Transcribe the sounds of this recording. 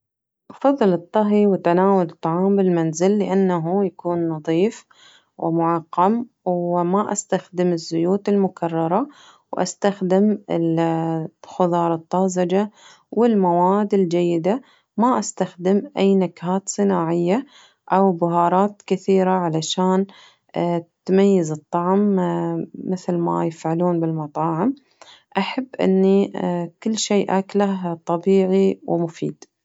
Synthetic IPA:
ʔɑfɑðˤːlɨt̪ˤːɑɦiwɪt̪ːanaːwalɨt̪ˤːɑʕɑːmbɪlmanzɪlːɪʔanːaɦujakuːnːɑðˤiːf | wɪ̰mʊʕɑqːɑm | wmaʔast̪axd̪ɪmɪzːʊjuːt̪ɪlmʊkʰɑrˤːɑɾˤɑ | wʔa̰st̪axd̪ɪmɪl | xʊðˤɑːɾˤɑt̪ˤːɑzad͡ʒa | wɪlmawaːd̪ɪld͡ʒajːɪd̪a | maʔast̪axd̪ɪmʔajːnakhaːt̪sˤɨnaːʕɪjːa | ʔawbʊɦɑːɾˤɑːt̪kɪθiːɾaʕalaʃaːn | t̪majːazɨt̪ˤːɑʕm | mɪθlma̰jɪfʕaluːnbɪlmɑt̪ˤɑːʕɪm | ʔaħabːʔɪ̰nːikɪlːʃeːʔaklaht̪ˤɑbiːʕiwmʊfḭːd̪̥

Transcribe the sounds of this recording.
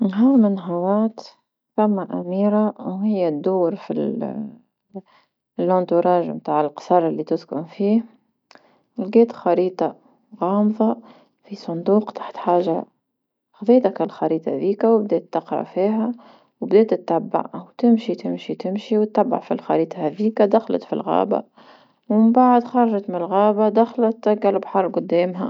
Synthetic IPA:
ɦawmɪnːɦawaːt̪ | θæmːaʔæ̰miːɾawɦɪjːad̪uːɾfḭl | lʔɑnt̪ʊɾˤɑːʒmt̪aːʕɪlqsˤɑɾˤlːit̪ʊzkʊ̰nfiːh | lɡeːt̪xɑɾiːt̪ˤɑ | ɣɑːmðˤɑ | fisˤʊnd̪uːqt̪ḁħt̪ħaːʒa | xðˤiːt̪akalxɑɾiːt̪ˤɑ̰ðiːkawbd̪ɛːt̪ːɑqɾˤɑ̰fiːɦæ | wbd̪ɛːt̪ɪt̪ːabːa̰ʕwt̪ɪmʃit̪ɪmʃit̪ɪmʃiwt̪ːabːa̰ʕfilxɑɾiːt̪ˤɑhæðiːkad̪axlɑ̰t̪fḭlɣɑ̰ːba̰ | wɪmbaʕd̪xɑɾˤɑʒɑt̪mɪnɪlɣæːbad̪axlɑt̪ːaɡːalbħɑɾˤɡʊd̪ːɛːmɦæ̰

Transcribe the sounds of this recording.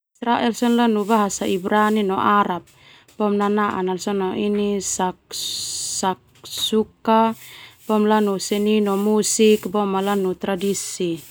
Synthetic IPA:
isɾaʔɛlsɔnlanubaɦasaibɾaninɔʔaɾap̚ | b̥ɔmnanaʔa̰nalsɔnɔʔinisak | sak̚ | sukab̥ɔmlanusɛninɔmusikbɔmalanut̪ɾadisi

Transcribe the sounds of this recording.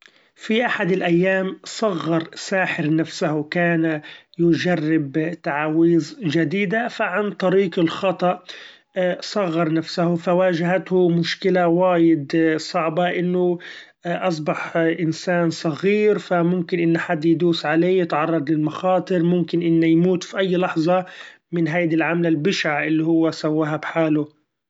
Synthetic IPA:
fiʔaħad̪ɪlʔajːaːmsˤɑɣːɑɾˤsaːħɪɾnafsahʊkaːnajʊd͡ʒarːɪbt̪aʕaːwiːzʒad̪iːd̪afaʕant̪ˤɑɾiːqɪlxɑt̪ˤɑʔ | sˤɑɣːɑɾˤnafsahʊfawaːʒaɦat̪hʊmʊʃkɪlawaːjɪd̪sˤɑʕbɑʔɪnːʊ | ʔɑs̬ˤbɑħʔɪnsaːnsˤɑɣiːɾfamʊmkɪnʔɪnːaħad̪ːjd̪uːsʕaleːjɪt̪ʕɑrˤːɑd̪lɪlmɑxɑːt̪ˤɨɾmʊmkɪnʔɪnːajmuːt̪fiʔajːlɑħzˤɑ | mɪnɦajd̪ilʕamalalbɪʃaʕʔɪlːihʊwːasawːaːɦabħaːlʊ

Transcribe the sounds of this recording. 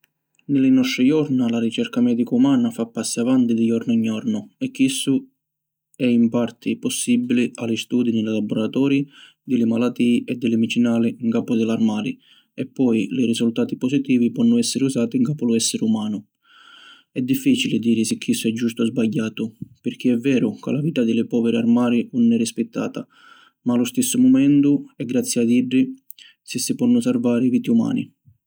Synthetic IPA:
nɪlɪnɔst̪ɾɪjɔɾnalaɾit͡ʃɛɾkamɛːd̪ikumaːnafapːasːiavant̪id̪ɪjɔɾnʊiɲːɔɾnʊɛkːisːʊ | ɛimpaɾt̪ʰɪpɔsːibːilialist̪uːd̪inɪlɪlabːʊɾat̪ɔːɾi | d̪ɪlɪmalat̪ːiːʔɛd̪ːɪlɪmit͡ʃinaːliŋkaːpʊd̪ɪlarmaːlḭ | ɛpːɔjlɪrisult̪aːt̪ipɔsit̪iːvipɔnːʊɛsːɪɾɪusaːt̪iŋkaːpʊlʊɛsːɪɾɪumaːnʊ | ɛd̪ːifːiːt͡ʃilɪd̪iːɾɪsɪkʰːisːʊɛd͡ʒːust̪ʊzbaʎːaːt̪ʊpɪɾk̟iɛvːɛːɾʊka̰laviːt̪ad̪ɪlɪpɔːvɛɾɪarmaːɾiunːɛrispɪt̪ːa̰ːt̪a | maːlʊst̪ɪsːʊmɔmɛnt̪ʊɛɡːɾat̪sːjiad̪iɖːi | sɪsːɪpɔnːʊsarvaːɾɪviːt̪iuma̰ːnḭ

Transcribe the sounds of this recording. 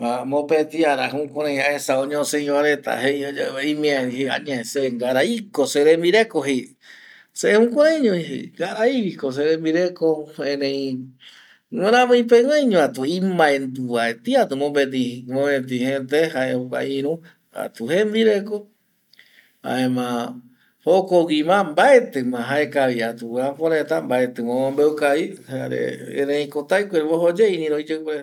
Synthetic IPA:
amõpet̪iaɾaɦũkʷaɾãj̃haesaoɲõseĩwaɾet̪a̰ɦejoimĩahea̰ɲaseŋɡaɾaikoseɾembiɾekoɦe | seehũkʷaɾãjɲõihḛŋɡaɾaiβikos̬eɾembiɾekoẽnẽj̃ | ŋẽɾãmẽĩpeŋwaɲõat̪uĩmãẽnd̪uβaet̪iat̪umõmbet̪imõβẽt̪̬ĩhẽnt̪ehaeoka̰ĩɾũ | a̰t̪uhemb̪iɾeko | a̰emã | hokowimãmbaet̪ɨmãɦaekaβiat̪uãpoɾet̪ambaet̪ɨmãmõmbeukaβiaɾḛḛ̃nẽĩkot̪ajkʷeɾeβoɦod͡ʒeinĩɾõid͡ʒekeɾe

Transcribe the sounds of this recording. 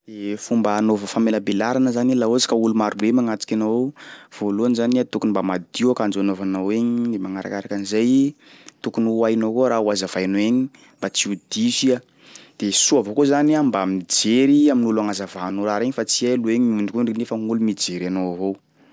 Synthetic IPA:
d̪̥efumbəːnovəfameləbelaɾanəzanilaozi̥kaulumaɾubemaŋat͡si̥kʲanov̥oluanzaniat̪ukunimbamad̪iuakand͡ʒoanovanaweɲid̪emaŋaɾa̰kaɾakanizaj | t̪ukunuajnokoɾauazavajnoeɲi | mbat͡siud̪izia | d̪̥esuavokozaniambamid͡zeɾiaminulaŋazavaɦanoɾaɾeɲifat͡sialueɲiuɳɖ͡ʐikurinefəŋulumid͡ʒeɾanoavo

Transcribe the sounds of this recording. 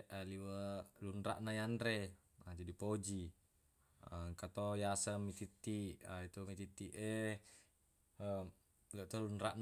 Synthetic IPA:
aliwəlunɾa̰ʔnajanɾe | ad͡ʒadipod͡ʒi | əŋkat̪ojasəmːit̪it̪ːiait̪umit̪it̪ːiʔe | ə | ləʔt̪olunɾaʔn

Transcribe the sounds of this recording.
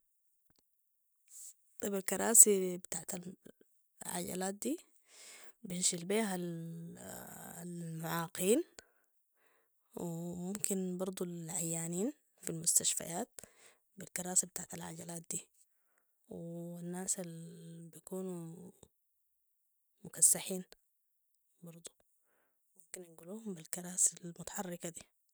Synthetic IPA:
t̪ˤɑbalkɑɾˤɑːsibɪt̪aːʕt̪al | ʕa̰ɟa̰laːt̪̚d̪iː | binʃilbeːɦal | lmʊʕaːqiːn | wimumkinbɑɾˤd̪ˤulʕajːaːniːn | filmʊst̪aʃfa̰jaːt̪̚ | bilkɑɾˤaːsabɪt̪aːʕt̪alʕa̰ɟalaːt̪̚d̪iː | wianːaːsalbijkuːnu | mʊkasːaħiːn | bɑɾˤd̪ˤu̥ | mumkinnɡuluːhumbilkɑɾˤɑːsalmʊt̪ḁħɑrːɪkad̪iː

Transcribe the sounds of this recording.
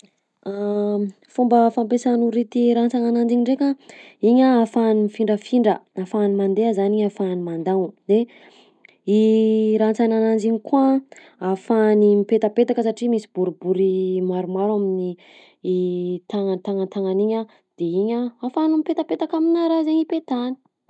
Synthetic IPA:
a | fumbəfampesanuɾit̪iɾant͡sananand͡ziɲiɳɖ͡ʐeka | iɲaafanimifiɳɖ͡ʐəfiɳɖ͡ʐə̰afanimand̪eəzaniɲafanimand̪aŋud̪e | iɾant͡sananand͡ziɲikua | afanimipet̪əpet̪akəsaʈ͡ʂimisibuɾibuɾimaɾumaɾamini | t̪aŋant̪aŋant̪aŋaniɲa | d̪̥eiɲaafanumipet̪apet̪akaminaɾazeɲipet̪ani̥

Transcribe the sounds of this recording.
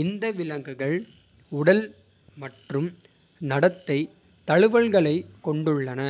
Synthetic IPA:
ɪnd̪ɐʋɪlɐŋɡɯɣɐɭ | ʊɽɐl | mɐʈrɯm | nɐɽɐt̪ːɐɪ | t̪ɐɻɯʋɐɭɣɐɭɐɪkːɔɳɖɯɭːɐnɐ

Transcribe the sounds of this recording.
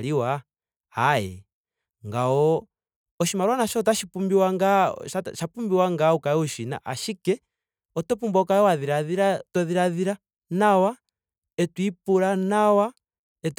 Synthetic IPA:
liwa | hajɛ̰ | ŋɡaɔ | ɔʃimaɾwanaʃɔt̬aʃipumbiwaŋɡaaʃapumbiwaŋɡaukaɛuʃina̰ʔaʃikɛ | ɔtɔpumbɔkaɛwaðiɾaðiɾatɔðiɾaðiɾa | nawa | ɛtwipulanawa | ɛt

